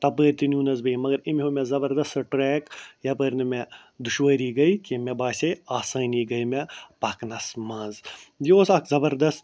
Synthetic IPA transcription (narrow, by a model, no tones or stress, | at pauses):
t̪ɐbəːɾt̪inuːnɐzbɐimɐɡɐɾimʲɦoːmẽzɐbɐɾd̪ɐst̪ʈɾeːkjɐpəːɾnɐmẽ | d̪uʃʋəːɾiɡɐikimẽbaːseaːsaːniɡɐjmẽpɐːknɐsmɐːzjoːsɐkzɐbɐɾd̪ɐst̪